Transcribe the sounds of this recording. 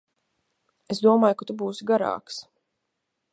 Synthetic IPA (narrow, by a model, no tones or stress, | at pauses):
esd̪uɔmaːjukat̪ubuːsiɡaɾa̰ːks